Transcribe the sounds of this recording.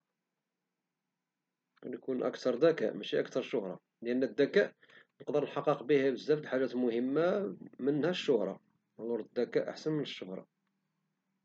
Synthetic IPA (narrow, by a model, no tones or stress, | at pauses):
ænkunʔə̰kt̪ɑɾˤd̪ækæ̰ʔmæʃiʔækt̪ɑɾˤʃːʊhɾˤɑ̰ | lʔənːæd̪ːækæʔ | nəqd̪əɾənħɑqːəqbihæbəzːæfd̪ħaʒæt̪mʊhəmːamənhæʃːʊhɾˤɑ̰ | lʊɾˤd̪əd̪ːækæʔa̰ħsənmənəʃːʊhɾˤɑ̰